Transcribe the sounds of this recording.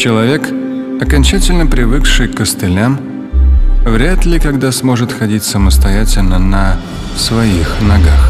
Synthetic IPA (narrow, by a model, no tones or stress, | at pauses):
t͡ɕɪlˠɐvʲe̞kɐkɐnʲt͡ɕætʲɪlʲnəpɾʲɪvɨkʂɨjkəst̪ɨlʲam | vɾʲæt̪lʲɪkɐɡd̪asmo̞ʐɨt̪xɐdʲitʲsəməst̪ɐjætʲɪlʲnənə | svɐixnɐɡax